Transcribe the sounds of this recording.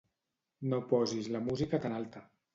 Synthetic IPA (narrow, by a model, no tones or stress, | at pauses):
nopɔzizləmuzikət̪analˠt̪ə